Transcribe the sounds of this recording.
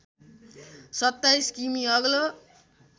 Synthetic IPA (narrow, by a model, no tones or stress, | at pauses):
sʌt̪ːajskimiʌɡlo